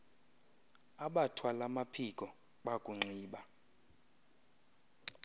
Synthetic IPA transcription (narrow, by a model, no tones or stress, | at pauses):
aɓatʰwalamapʰikʼɔ | ɓakʼuŋ͡ǀiːɓa